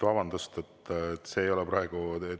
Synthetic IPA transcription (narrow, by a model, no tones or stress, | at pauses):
vɑbɑnd̪̥ust̪et̪ːt̪ːˑse̞ːjo̞lɛprɑe̞ɡ̥u